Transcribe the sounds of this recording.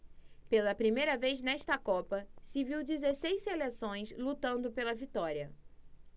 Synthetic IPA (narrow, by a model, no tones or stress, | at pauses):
pelɐpɾimejɾɐvejznɛʃt̪ɐkɔpɐsɪviwd͡ʒizesejsselesõj̃slut̪ɐ̃nd̪ʊpelɐvit̪ɔɾiɐ